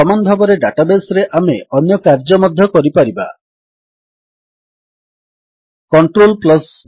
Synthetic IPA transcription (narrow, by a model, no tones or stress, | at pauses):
ɔmanbʱabɔɾeɖaʈabesɾeʔameʔɔnjɔkaɾd͡ʒɔmɔd̪ʱːɔkɔɾipaɾiba̰ | kɔɳʈɾolplɔs